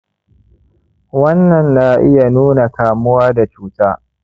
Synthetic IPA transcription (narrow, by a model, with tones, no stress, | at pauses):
wɐ˦nːɐ˨nːaː˦ʔɪ˦ja˨nuː˦na˨kaː˨mʊ˦waː˦da˨t͡ʃuː˦taː˦